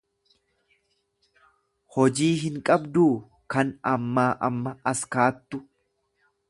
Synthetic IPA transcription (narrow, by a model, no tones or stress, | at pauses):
hɔd͡ʒiːɦɪŋkʼɐbd̪uː | kɐnɐmːaːʔɐmːɐɐskaːt̪ːʊ